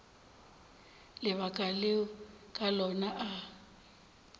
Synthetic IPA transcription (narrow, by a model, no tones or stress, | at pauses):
lɪβakʼaleɔkʼalɔnaʔa